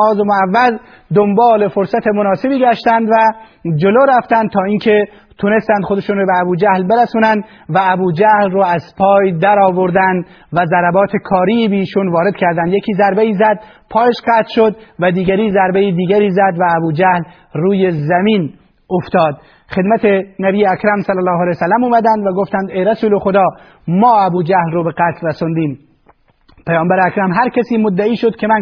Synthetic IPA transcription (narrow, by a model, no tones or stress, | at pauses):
ɒːzemoævːæz | d̪ombɒːle̞foɾsæt̪ʰemonɒːsebiːɡʲæʃt̪ænd̪væ | d͡ʒoloːɾæft̪ænd̪̚t̪ʰɒːiːŋkʰe | t̪ʰʊnest̪ænd̪χxod̪eʃuːnɾobeæbuːd͡ʒæhlbeɾæsuːnænd̪ | væːbuːd͡ʒæhlroːæz̥pʰɒːjd̪æɾɒːvoɾd̪ænd̪ | væzæɾæbɒːt̪ʰekʰɒːɾiːbeːʃuːnvɒːɾe̞d̪̥kʲʰæɾd̪ænd̪jekʲʰiːzæɾbeiːzæd̪̥̚ | pʰɒːjeʃqæːt̪lʃod̪væd̪iːɡæɾiːzæɾbeiːd̪iːɡæɾiːzæd̪væːbuːd͡ʒæhl | ruːjezæmiːn | oft̪ɒːd̪̥ | χe̞d̪mæt̪ʰenæbiːjeækɾæmsælːælɒːɦælejsælːæmuːmæd̪ænd̪væɡoft̪ænd̪ejɾæsuːlexod̪ɒː | mɒːæbuːd͡ʒæhlroːbeqæt̪ʰlɾæsond̪iːm | pʰæjɒːmbæɾeækɾæmɦæɾkʰʲæsiːmod̪ːæiːʃod̪̥kʰemæn